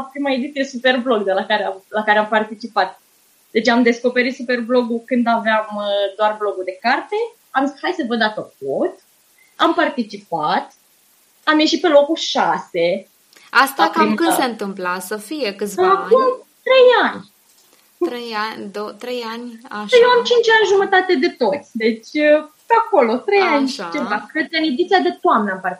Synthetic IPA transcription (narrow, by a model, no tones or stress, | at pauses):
pɾimae̞d̪it̪sʲijeesupe̞rblo̞ɡd̪elakaɾeamlakaɾeampart̪it͡ʃipat̪̚ | d̪̥e̞t͡ʃeamd̪e̞sko̞pe̞ɾit̪supe̞rblo̞ɡukɨnd̪aveamd̪oarblo̞ɡud̪e̞kart̪e̞ | amshajsəvəd̪at̪ok̚ot̪ | ampart̪it͡ʃipat̪ | amje̞ʃit̪̚pe̞lo̞kulʃase̞ | ast̪akamkɨnseɨnt̪ɨmplasəfijekɨt̪sɨakum | t̪ɾe̞janʲ | ɾejand̪ot̪ɾejanʲaʃjewamt͡ʃint͡ʃʲanʲʒumət̪at̪e̞d̪e̞t̪o̞t̪sʲd̪e̞t͡ʃʲ | peako̞lo̞t̪ɾe̞janʲʃit͡ʃevakɾed̪̚kəɨned̪it̪siad̪et̪oamnəampari